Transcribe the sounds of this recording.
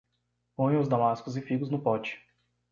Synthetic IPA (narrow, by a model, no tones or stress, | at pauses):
põj̃ʊzd̪amaskʊzɪfiɡʊznʊpɔt͡ʃɪ̥